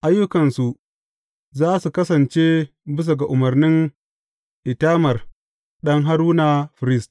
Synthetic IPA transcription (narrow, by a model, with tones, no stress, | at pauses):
ʔa˦jːʊ˦kɐ˨nsu˨ʔ | zaː˦su˨kɐ˦sɐ˨nt͡ʃeː˦ | bɪ˦s̬a˨ɡa˨ʔʊ˨mɐ˨rnɪ˦ŋ | ʔɪ˨taː˦mɐ˨r | ɗɐ˦ŋɦa˦ɾuː˦na˨ɸɾɪ˦st